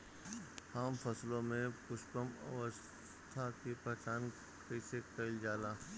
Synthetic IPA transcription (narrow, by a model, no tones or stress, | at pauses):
haːmpʰəslõmẽpʊʃpəmə̰ʋəs | t̪ʰakipɾɐt͡ʃaːn | kəsekəɪld͡ʒaːlaː